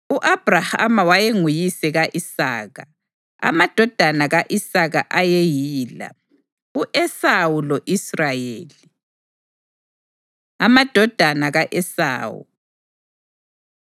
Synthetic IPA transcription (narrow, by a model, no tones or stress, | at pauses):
uʔab̥raha̰mawajeŋujisɛɣaʔisa̰ːɣa | a̰mad̥ʱɔd̥ʱanaɣaʔisaɣa̰ʔajejiːla̰ | uʔɛsawulɔʔisrajeːli | amad̥ʱɔd̥ʱanaɣaʔɛsa̰ːwṵ